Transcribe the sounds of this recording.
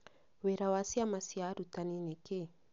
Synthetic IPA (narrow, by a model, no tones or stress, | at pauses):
wɛɾawasiamasiaɾutanineke